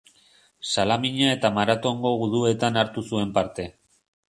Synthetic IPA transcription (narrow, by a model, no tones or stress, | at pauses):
salamiɲae̞t̪amaɾat̪o̞ŋɡo̞ɣuðue̞t̪anaɾt̪usue̞mpaɾt̪e̞